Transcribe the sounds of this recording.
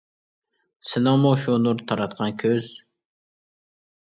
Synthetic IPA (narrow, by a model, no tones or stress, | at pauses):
sɪnɨŋmuʃunuɾt̪ʰɑɾɑt̪̚qʰɑnkʲʰøz̥